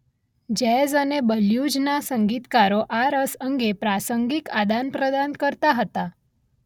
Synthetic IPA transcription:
d͡ʑɛzənebəljud͡ʑnasəŋɡit̪kaɾoʔaɾəsəŋɡepɾasəŋɡikad̪anpɾəd̪ankəɾt̪aɦət̪a

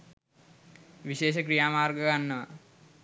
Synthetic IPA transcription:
ʋiʃeːʃ̬əkɾijaːmaːrɡəɡanːəʋa̰

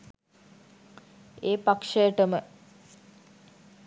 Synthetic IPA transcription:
eːpakʂəjəʈəmə

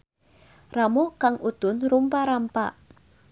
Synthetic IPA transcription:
ramokaŋud̪̥ʊ̤nrumpaɾampa̰ʔ

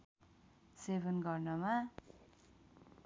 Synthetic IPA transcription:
sebʱʌnɡʌrnʌma

